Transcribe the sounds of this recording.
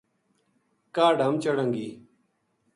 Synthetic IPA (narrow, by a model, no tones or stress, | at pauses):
kaːɖʱəmt͡ʃəɽəŋɡiː